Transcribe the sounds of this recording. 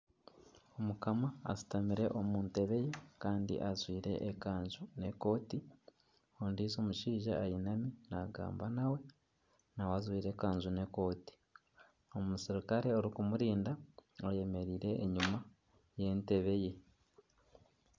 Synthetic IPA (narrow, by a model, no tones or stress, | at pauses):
o̞mukama̰ːsi̥tamiɾe̞ʔomuːnte̞βe̞je̞kaːndḭʔazwiːɾe̞̰ʔːkaːɲzune̞ko̞ːti | ondizo̞muʃiːʒaːjinaminaɡa̰ːmbanawe̞ | nawazwiːɾe̞kaːɲzune̞ko̞ːti̥ | o̞musiɾikaɾeoɾikumuɾiːndaoje̞me̞ɾiːɾe̞ʔːɲuma | je̞nte̞βe̞je̞